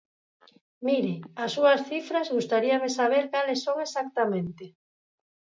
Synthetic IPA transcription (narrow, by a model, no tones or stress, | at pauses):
miɾɪasːuɐsθifɾazɣust̪aɾiamesaβ̞eɾkalesːoŋesak̚t̪amẽnt̪ɪ